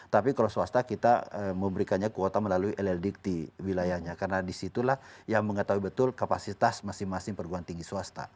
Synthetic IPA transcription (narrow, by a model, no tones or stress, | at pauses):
t̪apikalawsuast̪akit̪aəməmbəɾikanɲakuot̪aməlaluiʔɛlɛldik̚t̪iwilajahɲakarnadisit̪ulahjaŋməŋət̪aɦuibət̪ʊlkapasit̪asmasɪŋmasɪŋpərɡuant̪iŋɡisuast̪a̰